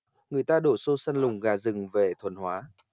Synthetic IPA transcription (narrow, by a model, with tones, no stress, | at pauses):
ŋɨ˨˩əjt̪aː˧ɗo˧˩so˧sa˧nlʊ˨˩ŋ͡mɣaː˨˩zɨ˨˩ŋve˨˩t̪ʰwə˨˩nhwaː˨˦